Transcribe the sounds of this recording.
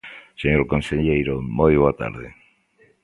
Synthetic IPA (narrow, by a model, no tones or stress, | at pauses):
seɲoɾkonseʎejɾomojβoat̪a̰ɾðe